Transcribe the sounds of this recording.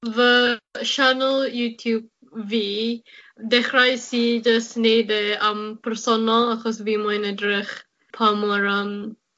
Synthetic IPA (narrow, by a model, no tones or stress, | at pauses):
vəʃanəlˠjuːtʰjuːb̚ | viː | dɛχɾajsiːd͡ʒəsnedɛampʰɛɾsɔnɔlˠaxɔsviːmɔjnədɾɪχ | pʰaməɹəm